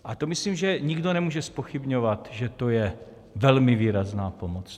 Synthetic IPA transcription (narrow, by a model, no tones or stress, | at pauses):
ʔat̪o̞mɪsliːmʒɛɲiɡdonɛmuːʒɛspoxibɲovat̪ʒɛt̪o̞jɛ | vɛlmɪviːɾaznaːpo̞mot͡s